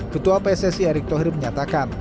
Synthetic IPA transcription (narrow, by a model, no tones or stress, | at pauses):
kət̪uapɛsɛsiɛɾɪk̚t̪oɦɪrməɲat̪akan